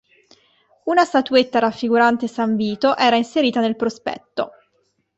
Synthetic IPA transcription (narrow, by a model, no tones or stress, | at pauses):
unast̪at̪uet̪ːaɾafːiɡuɾant̪esaɱviːt̪oʔɛːɾainseɾiːt̪anelpɾospɛ̰t̪ːo̰